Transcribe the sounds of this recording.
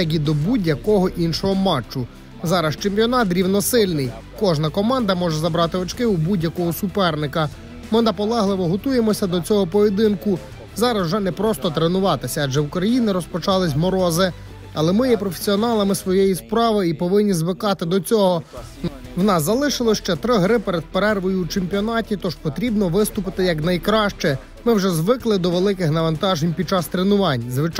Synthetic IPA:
ɐɡʲid̪ɔbudʲjɐkɔɦɔʔinʃɔɦɔmɑt͡ʃːʊ | zɑɾɐst͡ʃemʲpʲjɔnɑt̪̚ɾʲiwnɔsɪlʲnɪj | kɔʒnɐkɔmɑnd̪ɐmɔʒɛzɐbɾɑt̪ɪɔt͡ʃkɪubudʲjɐkɔɦɔsʊpɛrnɪkɐ | mɪnɐpɔlˠɛɦlˠɪʋɔɦɔt̪ujemɔsʲɐd̪ɔt͡sʲɔɦɔpɔjed̪ɪnkʊ | zɑɾɐzwʒɛnɛpɾɔst̪ɔt̪ɾenʊʋɑt̪ɪsʲɐːd͡ʒɛukɾɐjinɪɾɔspɔt͡ʃɑlˠɪsʲmɔɾɔzɪ | ɐlˠɛmɪjɛpɾɔfesʲiɔnɑlˠɐmɪsʋɔjɛjispɾɑʋɪipɔʋɪnʲːizʋɪkɑt̪ɪd̪ɔt͡sʲɔɦɔ | wnɑszɐlˠɪʃɪlˠɔʃt͡ʃɛt̪ɾɪɦɾɪpeɾed̪̚peɾɛrʋɔjuːt͡ʃemʲpʲiɔnɑtʲit̪ɔʒ̥pɔt̪ɾʲibnɔʋɪst̪ʊpɪt̪ɪjɐknɐjkɾɑʃt͡ʃɛ | mɪwʒɛzʋɪklˠɪd̪ɔʋelˠɪkɪxnɐʋɐnt̪ɑʒenʲpʲid̪̚t͡ʃɑst̪ɾenʊʋɑnʲzʋɪt͡ʃ

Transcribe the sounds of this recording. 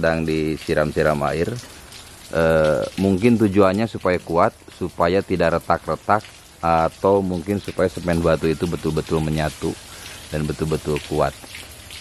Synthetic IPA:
daŋdisiɾamsiɾama̰ɪr | ʔəmuŋkɪnt̪ud͡ʒuanɲasupajakuat̪̚supajat̪idaʔɾət̪ak̚rət̪ak̚ | at̪awmuŋkɪnsupajasəmɛnbat̪uit̪ubət̪ʊlbət̪ʊlməɲat̪udanbət̪ʊlbət̪ʊlkua̰t̪̚

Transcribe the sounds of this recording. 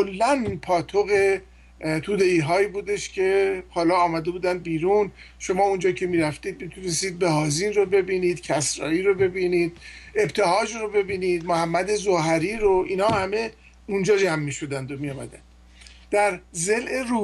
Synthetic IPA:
olːænpʰɒːt̪ʰoɣe̞ | t̪ʰuːd̪e̞iːɦɒːibuːd̪e̞ʃcʰe̞hɒːlɒːmæd̪e̞buːd̪ænd̪̚biːɾunʃo̞mɒːund͡ʒɒːcʰe̞miːɾæft̪iːd̪mit̪ʰunest̪iːd̪̚behɒːzinro̞be̞biniːd̪̥cʰæsɾɒ̰ːiːɾo̞be̞biːniːd̪̥̚e̞bt̪ʰe̞ɦɒːd͡ʒɾo̞be̞biːnid̪mohæmːæd̪e̞zoɦæɾiːɾoiːnhɒːhæme̞ | und͡ʒɒːd͡ʒæmːiʃo̞d̪ænd̪o̞mijɒːmæ̰d̪æ̰nd̪̥ | d̪̥æɾze̞lʔe̞ɾu

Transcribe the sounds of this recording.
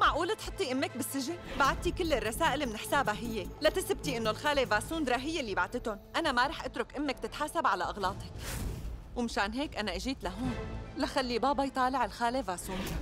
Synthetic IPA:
maʕʔuːlat̪ħʊt̪ˤːiʔɪmːɪk̚bɪsːɪʒɪnbaʕat̪̚t̪ikɪlːɪrˤːɑsaːʔɪlmɪnɪħsaːbaɦɪjːelat̪ɪsɪb̚t̪iʔɪnːolxaːlevaːsuːnd̪ɾˤɑːɦɪjːelːibaʕt̪ɪt̪ʊnʔanamaɾˤɑːħʔat̪ɾʊkʔɪmːɪk̚t̪ɪt̪ħaːsabʕalaʔɑɣlɑːt̪ˤɑk | wmɪʃaːnɦeːkʔanaʔɪʒiːt̪laɦoːnlaxalːibɑːbɑjt̪ˤɑːlɪʕɪlxaːlevaːsuːnd̪

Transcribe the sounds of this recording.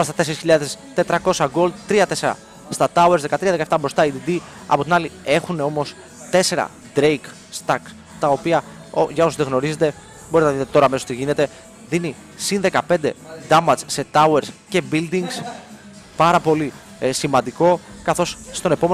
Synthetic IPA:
oɾɐst̪ɐt̪e̞seɾisçiʎɐðe̞st̪e̞t̪ɾɐko̞sɐɡo̞ld̪t̪ɾiɐt̪e̞se̞ɾɐ̰ | st̪ɐt̪ɐueɾzðe̞kɐt̪ɾiɐðekɐeft̪ɐbɾo̞st̪ɐid̪id̪i | ɐ̰po̞t̪inɐlie̞xune̞o̞mo̞s | t̪e̞se̞ɾɐ̰ | d̪ɾejk | st̪ɐk | t̪ɐo̞piɐ | ʝɐo̞soðeɣno̞ɾize̞t̪e̞ | bo̞ɾit̪nɐðit̪eo̞ɾɐːmeosot̪iʝine̞t̪e̞ | ðini | sinðe̞kɐpe̞nd̪e̞d̪ɐmɐt͡sse̞t̪ɐueɾsce̞bild̪iŋɡs | pɐɾɐpo̞li | simɐnd̪iko̞kɐθo̞sst̪o̞ne̞po̞me

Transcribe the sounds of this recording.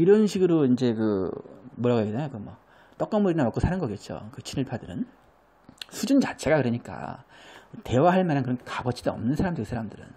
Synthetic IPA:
iɾʌnɕʰiɡɯɾoind͡ʑe̞kɯmoʌɾaɡokidɲjokɯmwʌ | t͈ʌk͈ʌmuɾinamak͈osʰanɯnɡʌket̚t͡ɕ͈o̰kɯt͡ɕʰinɯɭpʰadɯɾɯn | sʰud͡ʑunt͡ɕat͡ɕʰe̞ɡakɯɾʌɲik͈a̰ | te̞waɦaɭmanɦankɯɾʌnkabʌt͡ɕʰidoʌmnɯnsʰaɾamdɯsʰaɾamdɯɾɯ̰n

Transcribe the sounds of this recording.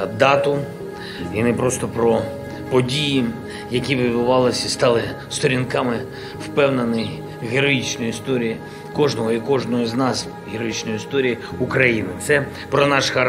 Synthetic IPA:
d̪ɑt̪ʊ | inɛpɾɔst̪ɔpɾɔ | pɔdʲiji | jɐkʲiʋɪd̪bʊʋɑlˠɪsʲist̪ɑlˠɪst̪ɔɾʲinkɑmɪ | wpɛwnenɪj | ɦeɾɔjit͡ʃnɔjʊist̪ɔɾʲiji | kɔʒnɔɦɔikɔʒnɔɦɔznɑs | ɦeɾɔjit͡ʃnɔjʊist̪ɔɾʲijiukɾɐjinɪt̪sɛ | pɾɔnɑʃxɐ

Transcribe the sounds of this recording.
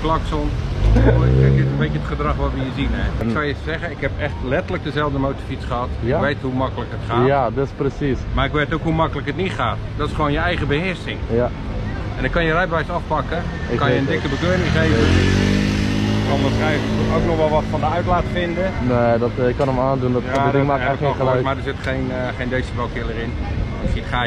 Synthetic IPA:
plakson | ɛkɪtənbejəətχədrɑχʋɔtʋəjəzinɛɪksaəssɛɣənɪkɦɛpɛxtlɛtələk̚dəzɛlˠvdəmowtəfit͡sχəhɑtɪʋejthumakələkɦətχaːadɔsprəsismaɪkʋeːtowkɦumakələkɦətniχaːtdɔtɪ̥sχəʋoːnjəɛjɣəbəhɪəsɪŋ | ɛndɔkɑnjərɛjtʋɛjsɑfpɑkə | kɑnjəndɪkəbəkøːɾɪŋχejvə | ɔndɔsɛjsətətowknɔχʋɛlˠʋɔtfɔndəœɥtlaːtfɪndəneːdɔtɪkːɔnəmaːndundɔtadɪŋaəɔmadəzɪtχejnχejndejsəbalˠkɪlˠəɾɪn | ɪksitχaː

